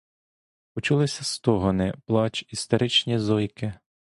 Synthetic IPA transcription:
pɔt͡ʃulˠɪsʲɐst̪ɔɦɔnɪplˠɑt͡ʃist̪eɾɪt͡ʃnʲizɔjkɪ

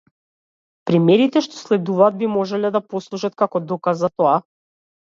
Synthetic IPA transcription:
pɾimɛɾit̪ɛʃt̪ɔ̥slɛd̪uvaːd̪̚bimɔʒɛlɛd̪apɔslˠuʃat̪̚kakɔd̪ɔkazat̪ɔa

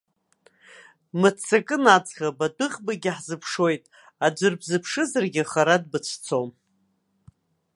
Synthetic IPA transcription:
mɨt͡sʰakʼɨnat͡sχʲabadɨχʲbaɡʲɪħzɨpʰʂo̞jtʼ | ad͡ʒʷɨrbzɨpʰʂɨzarɡʲɪχaɾadbɨt͡ɕʷʰt͡sʰom

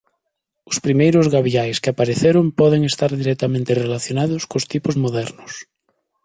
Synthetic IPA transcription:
ʊspɾimejɾʊzɣaβiajskeapaɾeθeɾʊmpɔðeŋest̪aɾðiɾɛkt̪amẽnt̪erelaθjonaðʊskost̪ipozmoðɛɾnʊs

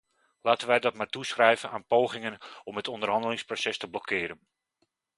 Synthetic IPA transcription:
laːtənʋɛjdɔt̚maːrtusxrɛjvənaːnpowχɪŋənɔmɦətʰɔndərɦɑndəlɪŋsprosɛstəblɔkʰɪːɾən

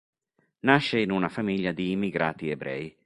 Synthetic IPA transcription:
naʃɛinunafamiljad̪iːmiɡɾa̰ːt̪iebɾɛ̰j

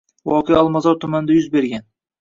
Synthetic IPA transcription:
vɒqʰejɒlˠmazɒɾt̪ʰʊmand̪ajʊzbe̞ɾɡʲan

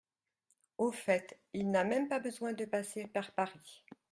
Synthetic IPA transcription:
ofɛt̪ | ilnamɛmpabəzwɛ̃d̪əpasepaʁpaʁi

